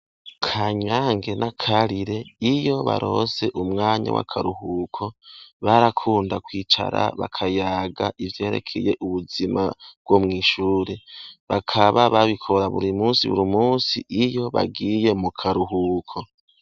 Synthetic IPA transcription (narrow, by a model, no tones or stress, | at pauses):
kʰaɲaːŋɡe̞nʔakʰaɾiɾe̞ijo̞βa̰ɾo̞̰ːze̞ʔumŋaːɲa̰wa̰kʰaɾuhuːkʰo̞βaɾakʰuːndakwiːt͡ʃa̰ɾa̰βa̰kʰajaːɡaʔivje̞ːɾe̞̰kʰeje̞ʔuβuzima̰βɡ̥womŋiːʃuːɾe̞βakʰaβaβaβikʰo̞ɾaβuɾimuːsiβṵɾimuːsḭijo̞βa̰ɡije̞mukʰaɾuɦuːkʰo̞